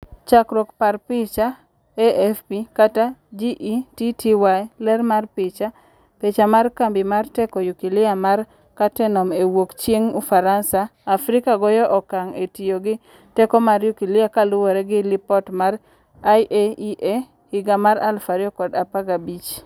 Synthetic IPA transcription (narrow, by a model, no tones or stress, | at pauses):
t͡ʃakɾokparpɪt͡ʃa | eʔɛfpikatad͡ʒiʔititiwalɛrmarpɪt͡ʃa | pet͡ʃamarkambimartɛkɔjukilɪamar | katɛnɔmewokt͡ʃeŋufaɾansaːfɾikaɡɔjɔʔɔkaŋetijoɡɪ | tɛkɔmaɾjukilɪakalʊwoɾɛɡɪlipɔtmar | aʔeiʔe | hɪɡamaɾa̰lfaɾiɔkɔdapaɡabit͡ʃ